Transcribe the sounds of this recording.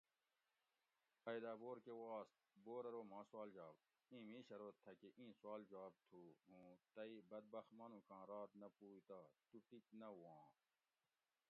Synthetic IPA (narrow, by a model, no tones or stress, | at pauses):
ɐjd̪aːboːɾkewaːst̪̚boːɾɐɾoːmãːswaːld͡ʑaːb | ĩːmĩːɕɐɾoːt̪ʰːɐkeʔĩːswaːld͡ʑaːb̚t̪ʰuːɦũːt̪ɐibɐd̪̚bɐxt̪mɐnũkãːɾaːt̪nɐpuːit̪aːt̪uʈiknɐwwãː